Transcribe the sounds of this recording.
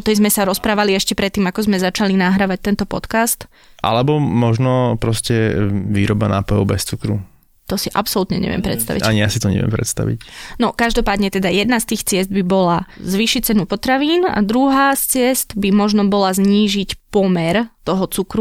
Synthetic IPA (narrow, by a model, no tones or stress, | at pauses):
ɔt̪ɛjzmɛsaɾɔspɾaːʋaliɛʃcɛpɾɛt̪ːiːmakɔzmɛzat͡ʃalinaɦɾaʋac̚t̪ɛnt̪ɔpɔ̰t̪kast̪ | ʔa̰lɛbɔmɔʒnɔpɾɔscɛʋḭːɾɔbana̰ːpɔjɔʊbɛst͡sukɾu | t̪ɔsiʔapsɔlut̪ɲɛ̰ɲɛ̰ʋɪɛ̰mpɾɛ̰t̪st̪a̰ʋiʔaɲijasit̪ɔɲɛ̰ʋɪɛ̰mpɾɛ̰t̪st̪a̰ʋḭcnɔkaʒd̪ɔpaːd̪ɲɛt̪ɛd̪ajɛd̪nast̪iːxt͡sɪɛzd̪̚bibɔlazʋiːʃict͡sɛnupɔt̪ɾaʋiːna̰d̪ɾuɦaːst͡sɪɛsd̪bimɔʒnɔbɔlazɲiːʒicpɔmɛɾt̪ɔɦɔt͡sukɾu